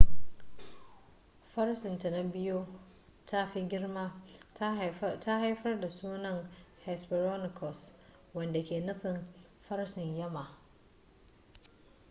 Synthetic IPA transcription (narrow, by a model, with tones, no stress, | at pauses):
ɸɐ˦rsɪ˨nta˨na˦bɪ˦jo˦ | tʰa˦ɸi˦ɡʲɪ˦rma˦ | tʰa˦ha˦jɸɐ˦rda˨suː˦nɐ˨ŋhɛ˨sbɪ˨ɾo˦nɪ˨kʰɔ˨s | wɐ˨nda˨kʲeː˨nʊ˦ɸɪ˨m | ɸɐ˦rsɪ˨ɲjɐ˦ma˨ʔ